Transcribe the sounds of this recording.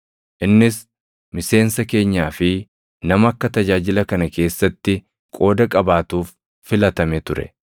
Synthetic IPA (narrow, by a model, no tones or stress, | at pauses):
ʔɪnːɪs | mɪse̞ːnsɐke̞ːɲːaːfɪ | nɐmɐɐkːɐt̪ɐd͡ʒaːd͡ʒɪlɐkɐnɐke̞ːsːɐt̪ːɪ | kʼo̞ːd̪ɐkʼɐbaːt̪uːfː | ɪlɐt̪ɐmɛt̪ʊɾɛ̰